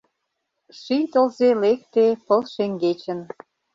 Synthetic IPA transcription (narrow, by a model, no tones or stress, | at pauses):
ʃijt̪əlzelek̚t̪epəlʃeŋɡet͡ɕə̆n